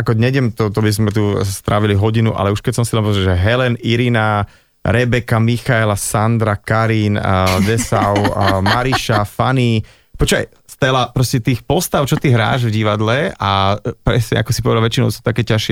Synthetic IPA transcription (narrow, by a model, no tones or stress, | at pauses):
akɔɲɛɟɛmt̪ɔt̪ɔbizmɛt̪ust̪ɾaʋiliɦɔɟinuʔa̰lɛuʃkɛc̚sɔmsilɛnpɔzɾɛʒɛɦɛlɛniɾina | ɾɛbɛkamixaɛlasand̪ɾakaɾind̪ɛsaʊmaɾiʃafani | pɔt͡ʃa̰j | st̪ɛlapɾɔscɛt̪iːxpɔst̪aʊt͡ʃɔt̪iɦɾa̰ːʒvɟiʋad̪lɛapɾɛsɲɛ̰a̰kɔsipɔʋɛd̪alʋɛt͡ʃinɔ̰ʊsu̥t̪akɛːcaʃɪɛ